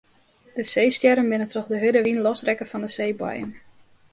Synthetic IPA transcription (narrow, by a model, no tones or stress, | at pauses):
d̥əsejstjɛɾənbɪnətɔχdəɦødəʋinlɔsrɛkəfɔndəsejbɔ̰jə̰n